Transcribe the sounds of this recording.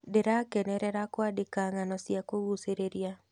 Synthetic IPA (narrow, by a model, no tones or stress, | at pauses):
dɪɾakɛnɛɾɛɾakwadɪkaŋanɔsjakowuseɾeɾija